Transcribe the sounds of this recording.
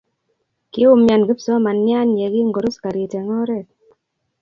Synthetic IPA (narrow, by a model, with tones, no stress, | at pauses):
kɪ˦ʊ˦mja˨nɡe˦psɔ˦ma˨nja˦nje˨ɡɪ˦ŋɡo˨ɾo˦ska˨ɾi˨te˨ŋɔ˦ɾɛ˦˨